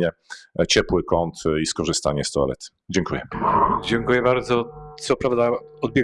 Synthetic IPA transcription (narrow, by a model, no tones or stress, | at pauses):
ɛt͡ɕɛpwɘkɔnt̪iskɔʐɘst̪a̰ɲɛst̪ɔɛ̰lɛ̰t̪ | d͡ʑɛŋkujɛd͡ʑɛŋkujɛbaɾd̪zɔt̪sɔpɾavd̪aɔd̪bʲjɛ